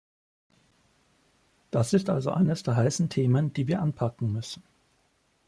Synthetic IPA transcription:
d̥asɪstʔalzoʔa̰ɪnəsd̥eːɐɦaɪsn̩tʰeːmənd̥iːviːɐʔanpʰakŋ̩mʏsn̩

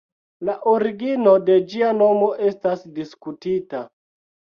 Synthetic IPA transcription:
laʔoɾiɡino̞de̞d͡ʒiano̞mo̞ʔe̞stasdiskutita

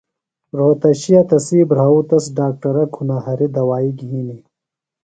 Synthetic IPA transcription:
ɾoːt̪ɐɕijat̪ɐsiːbɾaːut̪ɐsɖaːk̚ʈɐɾɐkʰunaːɦɐɾid̪ɐwaːiɡʱiːni

